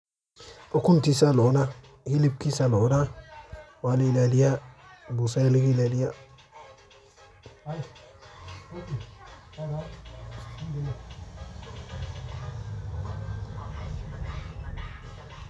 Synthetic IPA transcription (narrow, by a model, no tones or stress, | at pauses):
okuntisalona | hilip̚kisalona | waliilalijabusalikilalija